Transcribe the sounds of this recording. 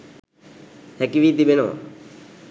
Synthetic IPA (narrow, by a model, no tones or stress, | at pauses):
hɛkiʋiːt̪ibeno̰ː